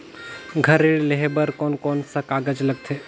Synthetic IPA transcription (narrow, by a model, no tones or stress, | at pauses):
ɡʱəɾeɭleɦebəɾkoːnkoːnsɐkaːɡəd͡ʒləɡ̚t̪ʰeː